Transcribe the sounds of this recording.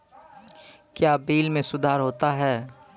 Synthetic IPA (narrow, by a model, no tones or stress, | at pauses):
kjaːbiːlmẽsʊd̪ʱaːɾɦoːt̪aɦɛː